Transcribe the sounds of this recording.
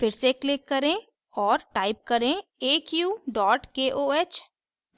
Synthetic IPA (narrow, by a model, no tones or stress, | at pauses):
fɪɾseklɪkːɐɾẽ | ɔːɾʈaːɪp̚kɐɾẽeːkjuːɖɔːʈkeːʔoːeːt͡ʃ